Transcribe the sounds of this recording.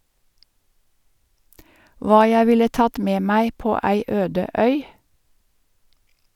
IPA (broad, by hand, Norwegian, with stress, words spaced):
ˈʋɑː ˈjæɪ ˈʋɪlə ˈtɑt ˈmeː ˈmæɪ ˈpoː ˈæɪ ˈøːdə ˈœʏ